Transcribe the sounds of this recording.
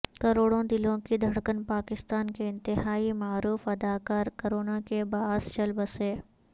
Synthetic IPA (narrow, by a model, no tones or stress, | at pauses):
kɐɾoːɽõd̪ɪlõkid̪ʱɐɽkənpaːkɪst̪aːnkeɪ̃nt̪ɪɦaːimaːɾuːfɐd̪aːkaːɾkɐɾoːnakebaːst͡ʃɐlbəseː